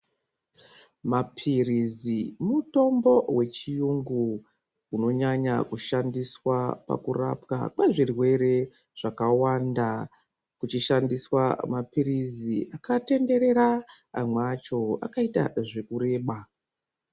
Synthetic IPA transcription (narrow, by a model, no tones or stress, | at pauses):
mapʰirizimuto̞mbo̞we̞t͡ʃijuŋɡu | uno̞ɲaɲakuʃandiswapa̰kura̰pka̰kweʐirwe̞ɾe̞ | ʐ̥akawanda | kut͡ʃiʃandiswamapiriziʔakate̞nde̞ɾe̞ɾa | a̰mwat͡ʃo̞a̰kaita̰ʐekuɾe̞ːɓa